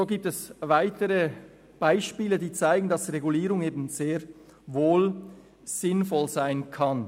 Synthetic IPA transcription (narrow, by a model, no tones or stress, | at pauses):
zoːɡiːp̚tɛsvaɪtəɾə | b̥aɪʃpiːlədiːt͡saɪɡn̩dɑsʁeɡuliːɾʊŋeːbn̩z̥eːɾ | voːl | z̥ɪnfɔlzaɪnkʰɑn